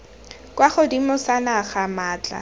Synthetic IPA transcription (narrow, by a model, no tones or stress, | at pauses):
kwaχʊdimʊsanaχamaːt͡ɬʼa̰